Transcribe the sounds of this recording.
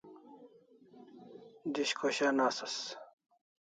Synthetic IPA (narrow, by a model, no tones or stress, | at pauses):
d̪iɕkʰoɕanaːsɐs